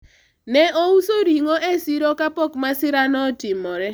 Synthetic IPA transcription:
nɛʔousoɾiŋoʔesiɾɔkapɔkmasɪɾanɔtɪmɔɾɛ

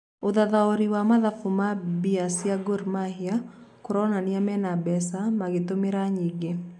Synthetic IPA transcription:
oðaðaoɾiwamaðafumabiasjaɡoɾmahiakoɾɔnaniamɛnabɛsamaɣetomeɾaɲiɡe

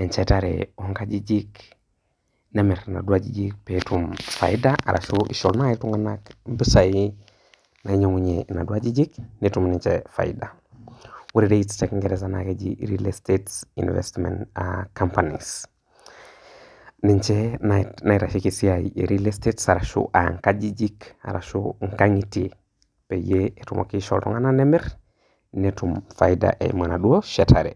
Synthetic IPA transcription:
eɲt͡ʃetaɾḛoŋkad͡ʒid͡ʒik | nemeɾna̰duad͡ʒid͡ʒik̚petumfa̰idaʔa̰ɾʔa̰ʃuʔiʃolnaituŋɡanakm̩pisai | naiɲoŋuɲena̰duad͡ʒid͡ʒiknitumniɲt͡ʃefa̰ida | wuɾiɾeitstekŋɡeɾesana̰ked͡ʒiɾilestetsḭnvḛstmḛnakampanḭs | niɲt͡ʃenaiɾaʃikisiajḛɾilestetsaɾaʃṵʔaŋkad͡ʒid͡ʒika̰ɾa̰ʃuŋkaŋiti | pejeetumʔo̰kiʃo̰ltɔ̰ŋananemeɾ | nitumfajida̰ʔḛmanaduoʃetʰaɾe

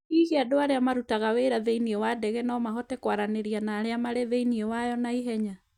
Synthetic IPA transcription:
ihiadoaɾeamaɾutaɣaweɾaðeiniɛwadɛɣɛnɔːmaɦɔtɛkwaɾaneɾianaːɾeamaɾeðeiniewajɔnaiɦɛɲa

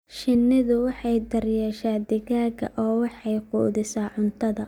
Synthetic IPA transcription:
ʃɪnːɪðʊwɑħɑjd̪ɐrjɛːʃaːd̪ɪɣaːɣɐ̰ʔɔːwɑħɑjqṵːðɪsaːʕʊnt̪ʰɐðɐ

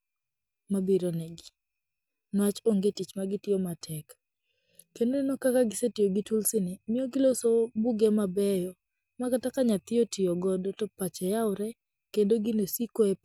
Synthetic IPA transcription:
mabiɾonɛɡɪ | nwat͡ʃoŋɡetit͡ʃmaɡɪtɪɔmatʰɛk | kendonenokakaɡɪsetɪjoɡɪtulsɪnɪmɪoɡɪlosobuɡɛmabɛjɔ | makatakaɲat̪ɪotɪɔɡɔdɔtɔpat͡ʃɛjaʊɾɛ | kendoɡɪnosikoɛp

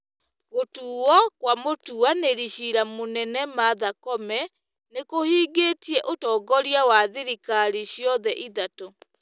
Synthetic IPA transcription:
ɣotuːwɔkwamotuaneɾiɕiɾamonɛnɛmaðakɔmɛ | nekohiːɡetiɛʔotɔːɡɔɾjawaðeɾikaɾiɕjɔðɛʔiðato

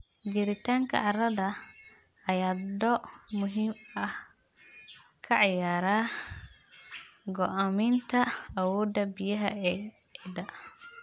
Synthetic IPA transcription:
d͡ʒɪɾɪt̪ʰaːŋkʰɐ̰ʔɑrɐðɐ | ɐjaːd̪ɔmʊɦimɐh | kʰɐʕɑjaːɾaː | ɡɔʔamɪnt̪ʰɐɐwɔːd̪ɐbɪjɐɦɐ̰ɛː | ʕɪd̪ɐ

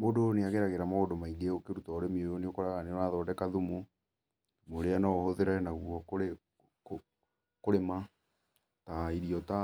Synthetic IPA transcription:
modoneaɣeɾaɣeɾamaodomaiɡeokeɾutaoɾemiojoneokɔɾaɣanenaðɔːdɛkaðumu | moɾeanahɔðeɾanaɣuɔkoɾe | ko | koɾema | taiɾiɔta

